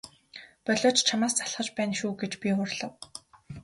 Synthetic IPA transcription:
pɔɮʊːt͡ɕt͡ɕʰamaːst͡sʰḁɬχə̆t͡ɕpæːnʃuːɡet͡ɕpʲiχʊrɮə̆w

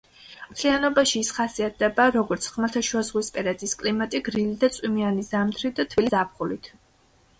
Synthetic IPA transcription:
mt̪ʰlianɔbaʃiːsχasiat̪̚ʰd̪ɛbaɾɔɡɔɾt̪sʰχmat̪ʰaʃwazʁwispʼɛɾɛt̪ʼiskʼlimat̪ʼiɡɾilid̪at̪sʼwimianizamt̪ʰɾid̪at̪ʰvilizap̚χulit̪ʰ

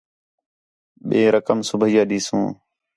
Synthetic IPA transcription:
ɓẽːɾəkəmsʊbʱijaːɗiːsũː

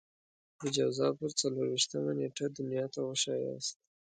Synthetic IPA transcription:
d̪əd͡ʒawzɑpəɾt͡saloɾwiʃt̪əmaneʈad̪ʊnjɑt̪awəʃɑjɑ̰st̪̚

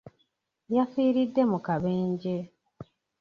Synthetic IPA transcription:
jafiːɾidːe̞mukaβe̞ːɲɟe̞

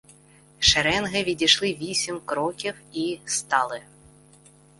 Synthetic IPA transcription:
ʃɛɾɛnɦɪʋʲidʲiʃlˠɪʋʲisʲimʲkɾɔkʲiwist̪ɑlˠɪ

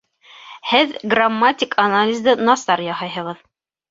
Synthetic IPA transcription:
hɘðɡramːatʲɪkʰanalʲɪzd̪ɤnɑsɑɾjɑhɤjɦɤ̆ʁɤð

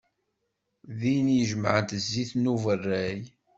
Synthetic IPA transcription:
ðinjəʒmʕənt̪əzːiθnuvərːæj

